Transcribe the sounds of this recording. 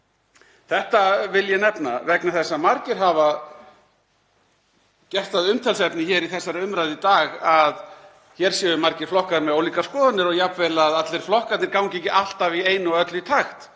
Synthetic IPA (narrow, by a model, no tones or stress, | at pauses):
θɛht̪avɪljɛnɛpna̰vɛknaθɛsːamaɾcɪɾ̥ɦava | cɛr̥t̪aðʏmt̪ʰɛlsɛpnɪçɛːɾiθɛsːaɾaʏmɾajðɪt̪aːɣað | çɛɾ̥sjɛːðʏmaɾcɪɾ̥flɔhkaðmɛðowliːkaskɔːðat̪nɪɾɔɣjapvɛlaðat̪lɪɾ̥flɔhkannɪɾkawɲcɪecɪʔal̥t̪avieːjnʏœt̪lʏt̪ʰaxt̪